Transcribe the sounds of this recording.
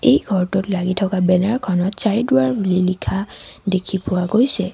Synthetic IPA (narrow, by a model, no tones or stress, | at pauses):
ejɡʱɔɹtʊtlaɡitʰɔkabɛnaɹkʰɔnɔtsaɹidʊwaɹbulilikʰadekʰipʊwaɡojsɛ